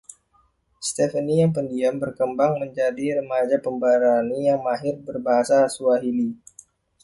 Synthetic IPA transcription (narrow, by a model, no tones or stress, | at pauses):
st̪ɛfənijaŋpəndiambərkəmbaŋməɲd͡ʒadiɾəmad͡ʒapəmbaɾanijaŋmaɦɪrbərbaɦasasuaɦili